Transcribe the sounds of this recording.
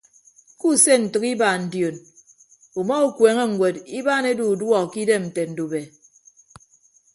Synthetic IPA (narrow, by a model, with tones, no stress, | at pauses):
ku˦se˦n̩˨tɨ˨ki˦ba˨n̩˨djo˨n | u˨mɔ˦u˦kweː˨˦ŋe˦ŋ̩˨wʷe˨di˦baː˦˨ne˦du˨dwɔ˦˨ki˦de˦mn̩˨te˨n̩˨du˨be˨